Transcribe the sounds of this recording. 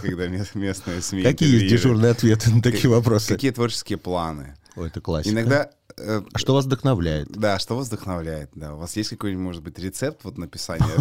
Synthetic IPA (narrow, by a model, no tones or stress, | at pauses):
kɐɡd̪amʲemʲesnɨjəsmʲikɐkʲijəjesʲdʲɪurnɨjəɐt̪vʲe̞t̪ɨnət̪ɐijəvɐpɾo̞sɨɐkʲijət̪vo̞rt͡ɕɪ̥skʲɪjəplˠanɨ | oɛt̪əklˠa̰sʲɪnɐɡd̪a | əʂovɐzvd̪əxnɐvlʲæjɪt̪d̪aʂt̪ovəzd̪əxnɐvlʲæjɪt̪̚d̪aʊvasjesʲtʲkɐkojnʲmo̞ʐɨd̪̚bɨtʲɾʲɪt̪sɛp̚t̪vo̞t̪nəpʲɪsanʲɪjə